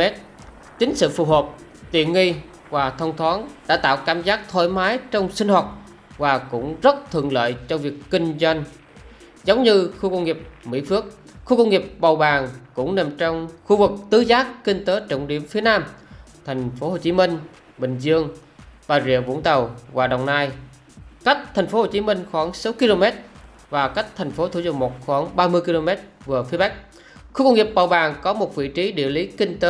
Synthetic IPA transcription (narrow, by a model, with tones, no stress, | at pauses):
ɛ˦˥t̚ | t͡ɕï˨˦ŋ̟sɨ̰˧˨fu˨˩ɦoː˨˩p̚ | t̪ḭ˧˨ənŋi˧ | vaː˨˩t̪ʰə˧wŋ͡mt̪ʰwaː˨˦nɗa̰ː˧˥t̪a̰ː˧˨wkaː˧˩mzaː˦˥k̚t̪ʰo˧˩jmaː˨˦jt͡ɕɔ˧wŋ͡msï˧ŋ̟hwaː˨˩t̚ | vaː˨˩kʊ̰˧˥ŋ͡mzə˦˥t̚t̪ʰɨ̰˧˨əŋlə̰ː˧˨jt͡ɕɔ˧vi˨˩əkːï˧ŋ̟zwa˧jŋ | zə˨˦wŋ͡mɲɨ˧xu˧kə˧wŋ͡mŋi˨˩əp̚mḭ˧˥fɨ˦˥ək̚ | xu˧kə˧wŋ͡mŋi˨˩əp̚ɓə˨˩wɓaː˨˩ŋkʊ̰˧˥ŋ͡mne˨˩mt͡ɕɔ˧wŋ͡mxu˧vɨ˨˩k̚t̪ɨ˨˦zaː˦˥kːï˧ŋ̟t̪əː˨˦t͡ɕə̰˧˩wŋ͡mɗḭ˧˩əmfi˨˦ənaː˧m | t̪ʰa˨˩jŋ̟fo˨˦ho˨˩t͡ɕi˨˦mï˧ŋ̟ | ɓï˨˩ŋ̟zɨ˧əŋɓaː˧˩zḭ˧˩əvṵ˧˥ənt̪ə˨˩wvaː˨˩ɗə̰˨˩wŋ͡mnaː˧j | ka˦˥jk̟̚t̪ʰa˨˩jŋ̟fo˨˦ho˨˩t͡ɕi˨˦mï˧ŋ̟xwaː˧˩ŋsa˨˦wki˧lo˧mɛ˦˥t̚ | vaː˨˩ka˦˥jk̟̚t̪ʰɛ˨˩jŋ̟fo˨˦t̪ʰṵ˧˩zʊ˧˩ŋ̚mo˨˩t̚xwaː˧˩ŋɓaː˧mɨ˧əjki˧lo˧mɛ˦˥t̚ | vɨ˨˩əfi˨˦ɓa˦˥k̚ | xu˧kə˧wŋ͡mŋi˨˩p̚ɓa˨˩wɓaː˨˩ŋkɔ˨˦mo˨˩t̚vḭ˧˨t͡ɕi˨˦ɗḭ˧˨əli˨˦kï˧ŋ̟t̪əː˨˦